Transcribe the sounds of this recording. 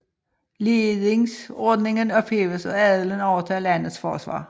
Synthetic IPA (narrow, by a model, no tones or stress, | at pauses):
leːd̪ɪŋsɔd̪nɪŋənɔpheːʋəso̰ːæːd̪ələnoːʋət̪ʰɑːlæːnəsfɔ̰ʁəsʋɑ̰ːʁ